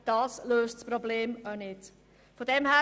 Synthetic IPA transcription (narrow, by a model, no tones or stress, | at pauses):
d̥ɑːsløːstspɾɔbleːmanɪt | fodɛmhæː